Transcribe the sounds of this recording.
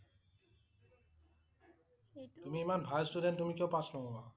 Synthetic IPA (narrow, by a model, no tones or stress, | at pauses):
t̪umiemanbʱajsʈudentːumikewpasnɔba